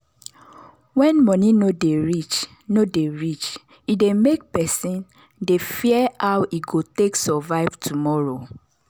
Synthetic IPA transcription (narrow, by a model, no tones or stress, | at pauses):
wɛ̃nmɔ̃ninodeɹit͡ʃ | nodeɹit͡ʃ | idemek̚pɛsĩn | defiɛawiɡoteksɔvaɪvtʰumɔɹo